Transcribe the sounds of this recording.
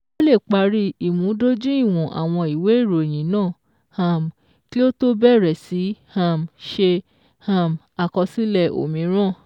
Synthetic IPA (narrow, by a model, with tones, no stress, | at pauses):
o˦le˦˨k͡pa˧ɾi˦i˨mũ˨˦do˦d͡ʒũ˦i˦˨w̃ɔ̃˨ʔa̰˨w̃ɔ̃˧i˨we˨˦i˦˨ɾo˨j̃ĩ˨˦nãː˦˨ | hã˨m | ki˦o˦to˦bɛ˦˨ɾɛ˨si˨˦hã˦˨mʃe˧ | hã˧˨m | a˨kɔ˧si˦lɛ˦˨o̰˨mĩ˨˦ɾ̃ã˦˨